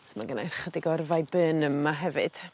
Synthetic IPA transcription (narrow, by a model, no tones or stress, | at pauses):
smaɡənajrχədɪɡɔrvajbɨːnəmːaɦɛvɨd̥